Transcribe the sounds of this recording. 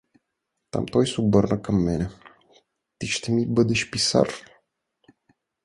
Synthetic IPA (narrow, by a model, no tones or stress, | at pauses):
t̪a̰mt̪ojsubərnəkəmːene | t̪iʃt̪emibəd̪əʃpisa̰r